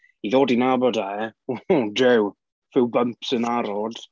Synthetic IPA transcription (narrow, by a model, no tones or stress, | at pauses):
iðoːdinabɔdaɛ | dɛw | v̥ɪwbəmpsənaɾɔd̥